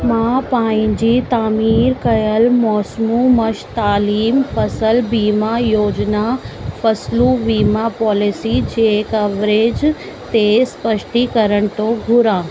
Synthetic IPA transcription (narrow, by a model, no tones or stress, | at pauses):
mãpãːɪ̃ɲd͡ʑit̪aːmiːɾkɐjəlmɔːsmumɐʃt̪aːliːmfɐsəlbiːmajoːd͡ʑnafɐsluʋiːmapɔːlisid͡ʑekɐʋɾeːd͡ʑ | t̪espəʃʈikɐɾəɽ̃̆t̪oɡʱʊɾãː